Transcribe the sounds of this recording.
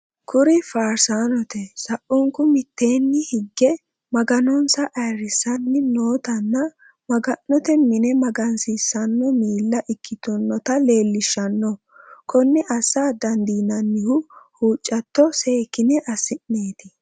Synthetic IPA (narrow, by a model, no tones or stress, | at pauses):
kʰʊɾɪfaːɾsaːnɔt̪ɛsɐʔʊŋkːʊmɪt̪ːe̞ːnːɪhɪɡːɛ | mɐɡɐnɔnsɐʔɐjɾɪsɐnːɪnoːt̪ɐnːɐ | mɐɡɐnːɔt̪ɛmɪnɛmɐɡɐnsisːɐnːɔmiːlːɐʔɪkːɪt̪ɔnːɔt̪ɐle̞ːlːɪʃːɐnːɔ | kʰɔnːɪʔɐsaːd̪ɐnd̪iːnɐnːɪhʊhuːt͡ʃʼːɐt̪ːɔse̞ːkːɪnɛʔɐsɪnneːt̪ɪ